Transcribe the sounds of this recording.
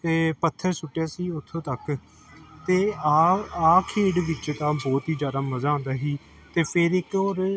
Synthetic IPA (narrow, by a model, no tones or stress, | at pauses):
t̪eːpət̪ʰːəɾsʊʈːjaːsiːʊt̪ʰːõːt̪ək | t̪eːaaːkʰeːɽʋɪt͡ʃt̪ãːbɔːt̪ɦiːzjaːd̪aːməzaːõnd̪aːɦiː | t̪eːpʰɪɾɪkoːɾ